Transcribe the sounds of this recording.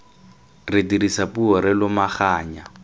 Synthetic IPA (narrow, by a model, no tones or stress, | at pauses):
rɪdiɾisapuɔɾɪlʊmaχaːɲa